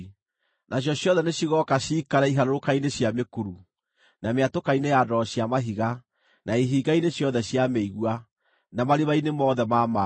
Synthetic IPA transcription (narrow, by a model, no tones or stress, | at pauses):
naɕ̬jɔɕjɔðɛneɕiɣɔkaɕiːkaɾaiɦaɾoɾokaineɕjamekuɾu | nameatokainejadɔɕjamaɦiɣa | naiɦiːɡaineɕjɔðɛɕjameiɣwa | namaɾeβainemɔːðɛmama